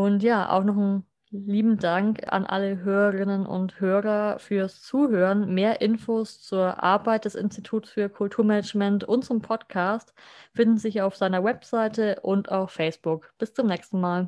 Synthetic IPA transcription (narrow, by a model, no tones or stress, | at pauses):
ʔʊntjaːʔa̰ʊxnɔχn̩ | liːbm̩daŋka̰nʔa̰ləɦøːʁəʁɪnənʔʊ̰nthøːʁɐfyːɐst͡suːɦøːʁənmeːɐʔɪnfoːst͡suːɐʔa̰ɐbaɪt̚d̥ɛsɪ̰nstitʰuːtsfyːɐkʰʊltʰuːɐmɛnɛd͡ʒmɛntʊntt͡sʊmpʰɔtkʰaːstfɪndn̩zɪçaʊfz̥aɪnɐwɛpz̥aɪtəʔʊnta̰ʊxfɛɪsb̥ʊkb̥ɪst͡sʊmnɛːkstn̩maːl